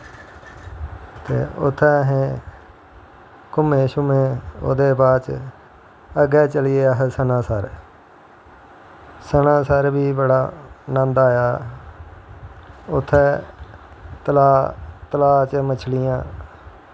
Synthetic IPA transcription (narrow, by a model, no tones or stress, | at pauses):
t̪ḛːʊ̰t̪ʰːɛːɦẽː | kʊmeːʃʊmẽːo̰ːd̪eːbaːt͡ʃ | əɡɛːt͡ʃəlɪjeːəɦsənãːsəɾ | sənãːsəɾbiːbəɽaːnãːnd̪aːjaː | ʊt̪ʰːɛː | t̪əlaːt̪əlaːt͡ʃmət͡ʃʰlɪjãː